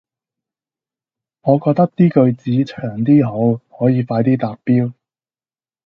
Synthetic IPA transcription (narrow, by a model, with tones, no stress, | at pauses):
ŋɔː˨˧kɔː˧k̚t̪ɐ˥k̚t̪iː˥kɵ˧ɥt͡siː˨˥t͡ʃʰœː˨˩ŋt̪iː˥ɦo˨˧˥whɔː˨˥jiː˨˧faː˧jt̪iː˥t̪aː˨k̚piː˥w